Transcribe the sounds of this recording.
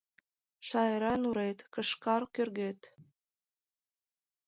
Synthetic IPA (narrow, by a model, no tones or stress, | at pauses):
ʃɑjəɾɑnuɾet̪kə̆ʃkɑrkørɣet̪